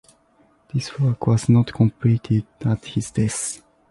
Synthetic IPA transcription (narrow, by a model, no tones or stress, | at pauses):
ð̥iswɔkwɔznɔtkʰɔ̃mpʰlitʰɪdæthizdɛs